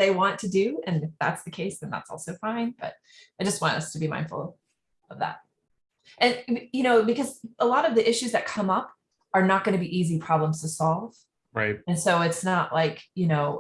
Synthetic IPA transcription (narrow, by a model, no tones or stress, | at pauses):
ðeɪwɑ̃ntʰɨdʉɨ̃nɨfðæ̰tsðɨkʰeɪsðɨ̃nðæ̰tsɔ̰lˠsoʊfãɪ̃nb̥ʌ̰t̚ | aɪd͡ʒʌst̚wɑ̃ntʌstʰɨbimã̰ɪ̃n̥fl̩ˠ | ʌvðæ̰t̚ | ʔɨ̃njɨñoʊbɨkʌzəlɔɾʌvðiʔɪʃʉzðɨt̚kʰʌ̃mʌp̚ | ə˞nət̚ɡ̥ʌñɨbiʔizipʰɹ̥ɑblə̃mz̥tʰɨsɑlˠv̥ | ɹaɪt̚ɨ̃nsoʊɨtsnəʔlaɪkjɨnoʊ